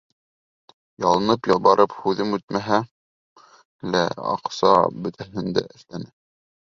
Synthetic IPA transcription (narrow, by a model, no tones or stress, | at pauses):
jɑlˠɤ̆nɤpjɑlˠbɑɾʔɤphʉðɘmʉt̪̚mæɦæ | læ̰ɑ̰qsɑ̰bɵ̆t̪ʰæɦɘ̆nd̪æ̰ʔɘ̆θlænɘ